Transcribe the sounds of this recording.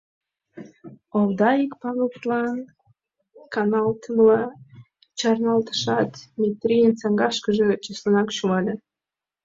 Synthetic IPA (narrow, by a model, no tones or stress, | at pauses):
ovd̪ɑikpɑvʲelplɑn | kɑnɑlt̪ʰəmlɑ | t͡ɕɑrnɑlt̪ə̥ʃɑt̪mʲet̪ɾʲijənt͡sɑŋɡɑʃkəʒə̆t͡ɕəslənɑkʃumɑlʲe